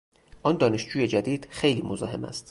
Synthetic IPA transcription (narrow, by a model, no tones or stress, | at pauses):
ʔɒːnd̪ɒːne̞ʃd͡ʒuːje̞d͡ʒæd̪iːd̪̥xe̞jliːmozɒ̰ːhe̞mæ̰st̪